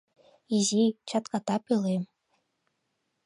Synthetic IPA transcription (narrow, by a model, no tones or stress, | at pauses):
izit͡ɕɑt̪kɑt̪ɑpɯlˠem